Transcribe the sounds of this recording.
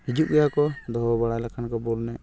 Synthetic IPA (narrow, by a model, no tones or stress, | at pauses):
hid͡ʒuʔɡɛjakɔd̪ɔɦɔbaɽalakʰankɔbɔlnɛʔ